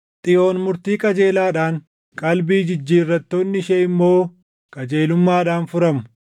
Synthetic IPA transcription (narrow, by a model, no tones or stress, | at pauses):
t̪ʼɪjo̞ːnmʊɾt̪iːkʼɐd͡ʒe̞ːlaːᶑaːŋ | kʼɐlbiːd͡ʒɪd͡ʒːiːrːɐt̪ːo̞ːnːɪʃeɪmːo̞ː | kʼɐd͡ʒe̞ːlʊmːaːᶑaːnfʊɾɐmʊ̥